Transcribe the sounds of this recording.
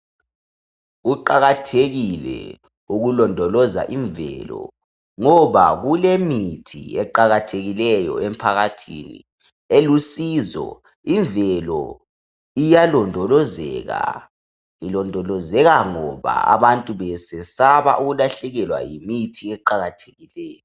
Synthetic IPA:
ɣuǃaɣatʰeɣilɛ̰ | uɣulɔndʱɔlɔza̰ʔiɱvɛ̰lɔ̰ | ŋɔβaɣulemitʰḭɛǃaɣatʰeɣilɛjɔ̰empʰaɣatʰḭnḭ | elusizɔ̰ | iɱvɛlɔ̰ | ijalɔndʱɔlɔzɛɣa̰ | ilɔndʱɔlɔzɛɣaŋɔβa̰a̰βantʼuβɛsɛsaβa̰ʔuɣulaɬɛɣɛlwa̰jimitʰiɛǃaɣatʰe̥ɣilɛːjɔ

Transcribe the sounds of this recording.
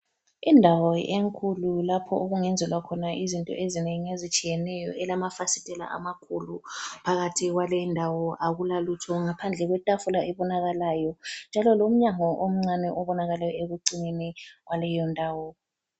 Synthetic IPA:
indʱawɔeŋkʰululapʰɔ̰ʔoɣuŋɛnd͡zʱɛlwakʰɔnaʔizintʼɔ̰ʔezineŋiezit͡ʃʼijɛnɛjɔ̰ɛlamafasitʼɛla̰ʔa̰makʰulupʰaɣatʰiɣwalɛndʱawɔʔaɣulalutʰɔŋapʰand͡ɮʱɛɣwɛtʼafulaʔɛβɔnaɣalaːjɔnd͡ʒʱalɔlom̩ɲaŋɔʔom̩ŋ͡ǀanɛʔɔβɔnaɣalajɔeɣuǀineniwalɛjɔndʱaːwɔ

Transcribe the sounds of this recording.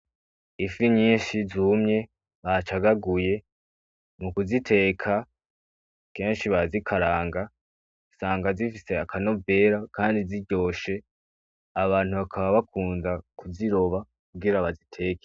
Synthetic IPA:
ifiɲiːnʃizuːmɲe̞ | βat͡ʃaɡaɡuje̞ | mukuzitʰe̞ːkʰa | ke̞ːnʃiβazikʰaɾaːŋɡa | saːŋɡazifise̞akʰano̞ve̞ːɾakaːndiziɟo̞ːʃe̞ | aβaːn̥huβakʰaβaβakʰuːnzakuziɾo̞βa | kuɡiɾaβazitʰe̞ːke̥

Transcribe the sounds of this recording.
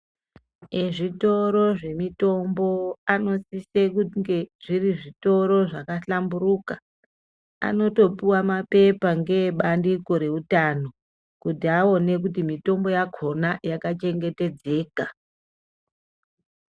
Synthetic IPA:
eʐito̞ɾo̞ʐe̞mito̞mbo̞ano̞sisekuŋɡeʐ̥iriʐito̞ɾo̞ʐakaɬamburuka | a̰no̞to̞puwamape̞paŋɡe̞ɓandiko̞ɾe̞utano̞ | kutiao̞ne̞k̬ut̬imito̞mbo̞jakʰo̞najakat͡ʃe̞ŋɡe̞te̞d͡ze̞ːka

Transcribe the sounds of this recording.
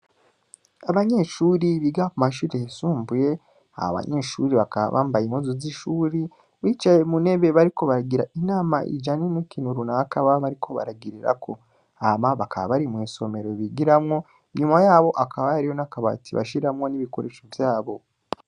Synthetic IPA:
aβaɲe̞ːʃuːɾiβiɡakumaʃuɾejasuːmbuje̞ | a̰ha̰βa̰ɲe̞ːʃuɾiβakaβa̰βaːmbajimuzuziʃuːɾi | βit͡ʃajemune̞βe̞βaɾiko̞βaɾaɡiɾaʔinaːmaʔḭd͡ʒanenukinuɾunaakaβaβaɾikʰo̞βa̰ɾaɡiɾiɾa̰kʰo̞ | amaβakʰaβa̰βaɾimwiːso̞me̞ɾo̞βiɡiɾamŋo̞ | ɲumajaːβo̞ʔakʰaβajaɾiho̞nakaβa̰tiβa̰ʃiɾamŋo̞niβiko̞ɾe̞ːʃovjaːβo̞

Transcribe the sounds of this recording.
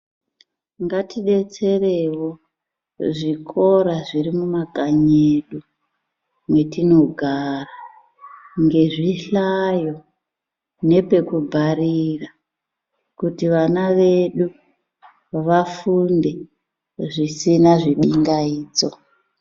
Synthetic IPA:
ŋɡatiɗe̞t͡se̞rewo̞ | ʐikʰo̞ɾaʐirimumakʼaɲeɗu | mwe̞tino̞ɡʱara | ŋɡe̞ʐiɬajo̞ | ne̞pe̞kubʱaɾira | kutiʋanaʋe̞ɗu | ʋafunde̞ | ʐisinaʐiɓiŋɡaiːd͡zo

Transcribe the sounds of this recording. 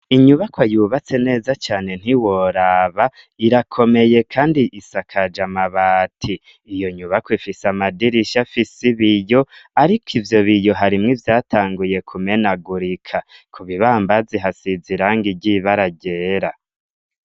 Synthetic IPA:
iɲuβakwojuːβat͡se̞ne̞ːzat͡ʃaːne̞n̥iwoɾaβa | iɾakʰo̞me̞je̞kʰaːndiʔisakʰad͡ʒamaβaːtʰiː | jo̞ɲuβakwifisamadiɾiʃafisiβijo̞aɾikʰivjo̞βijo̞ɦaɾimŋivjaːtʰaːŋɡuje̞kʰume̞naɡuɾikʰakʰuβiβaːmbaziɦasiziɾaːŋɡiɟiβaɾaɟeːɾa

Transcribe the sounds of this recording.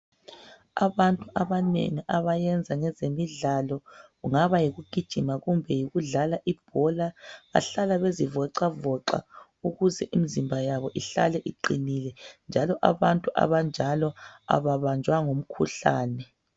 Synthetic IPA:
aβantʼuʔaβanḛŋiʔaβajɛnd͡zʱaŋɛzemiɮalɔɣuŋaβajiɣuɡ̥ʱid̥ʒ̥ʱimaɣumbʱɛjiɣuɮalaʔib̥̚ʱɔlaβa̰ɬalaβezivɔǀavɔǃa̰ | uɣuzɛʔimizimbʱajaβɔʔiɬa̰lɛʔiǃinilɛnd͡ʒʱalɔʔa̰βantʼuʔa̰βand͡ʒʱalɔa̰βaβand͡ʒʱwaŋom̩kʰṵɬa̰ːnɛ

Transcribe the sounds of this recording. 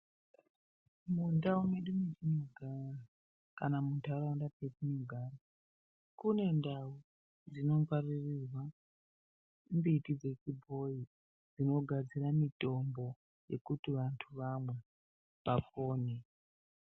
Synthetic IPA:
mundaumeɗumet͡ʃinoɡʱara | kanamuntʰauraundapeɗinoɡʱaːra | kune̞ndau | d͡zino̞paririrwa | mbitid͡ze̞t͡ʃibʱo̞i | d͡zino̞ɡʱad͡ziramito̞mbo̞ | je̞̰kutiʋantʰuʋamwe̞ | ʋafoːne

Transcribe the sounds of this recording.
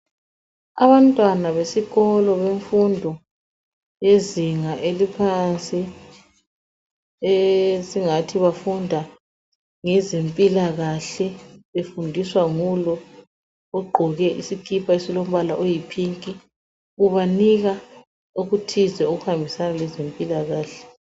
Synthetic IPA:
a̰βantʼwanaβesiɣɔlɔβeɱfundʱɔ | jeziŋaʔelipʰant͡sʼi | esiŋatʰiβafundʱa | ŋɛzempʼilaɣaɬɛefundʱiswaŋulɔ | ɔɡ͡ǃʱɔɣɛʔisikʰipʰʼaesilom̩βalaʔojipʰiŋkʼi | uβaniɣa | uɣutʰizɛoɣuhambʱisanalɛzempʼilaɣaːɬɛ̥

